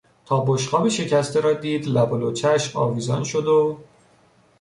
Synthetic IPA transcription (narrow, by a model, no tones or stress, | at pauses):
t̪ʰɒːboʃqɒːbiʃe̞cʰæst̪ʰeɾɒːd̪iːd̪læbolot͡ʃʰæʃmɒ̰ːviːzɒ̰ːnʃod̪o